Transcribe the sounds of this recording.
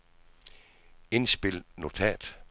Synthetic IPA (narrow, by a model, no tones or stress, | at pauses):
e̝nsb̥e̝lno̝t͡sʰɛ̰d̥